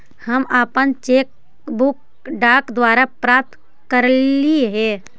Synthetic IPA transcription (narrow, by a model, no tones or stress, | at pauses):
həmaːpənt͡ʃeːk | bʊk | ɖaːkd̪waːɾapɾaːp̚t̪ | kəɾliɦɛː